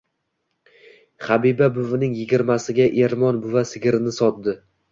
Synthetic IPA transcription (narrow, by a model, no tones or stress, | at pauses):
χabibabʊvɪnɪŋjɪɡʲɪɾmasɪɡʲaʔe̞ɾmɒnbʊvasɪɡʲɪɾɪnɪsɒt̪̚d̪ɪ